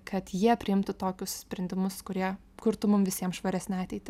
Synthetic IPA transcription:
kʰɐt̪jiɛpʲɾʲɪɪmt̪ʊt̪oːkʲʊssʲpʲɾʲɛnd̪ʲɪmʊskʊɾʲiɛ | kʊɾt̪ʊmʊmʋʲɪsʲiɛmʃʋɐɾʲæsʲnʲɛɑːt̪ʲɛɪt̪ʲɪ

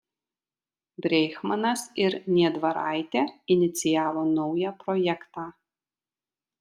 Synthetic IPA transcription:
bʲɾʲɛjxmɐnɐsɪɾnʲiɛd̪vɐɾa̰jt̪ʲɛɪnʲɪt̪sʲɪjaːvɔnɔwjapɾɔjɛkt̪aː

